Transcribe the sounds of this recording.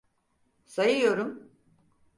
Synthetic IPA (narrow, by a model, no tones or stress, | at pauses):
sajɯjo̞ɾum